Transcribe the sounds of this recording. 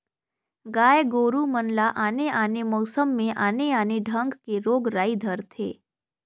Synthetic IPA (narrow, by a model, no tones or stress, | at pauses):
ɡaːjɡoːɾumənlaʔaːneʔaːnemɔːsəmːẽʔaːneaːneɖʱə̃ŋɡkeɾoːɡɾaːid̪ʱəɾt̪ʰḛː